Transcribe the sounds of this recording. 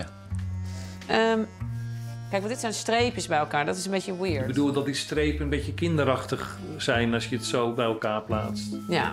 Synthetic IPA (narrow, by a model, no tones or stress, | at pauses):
əm | kɛjkʋɑndɪtsɛjnstrejpəsbɛjəlˠkaːɹdɑtɪsənbejcəwɪːɹbədulˠdɑt̚distrejpənənbejtəkɪndəɾɑχtəχ | z̥ɛjnɑsjəətsowbɛjəlˠkaːɹplaːtstja̰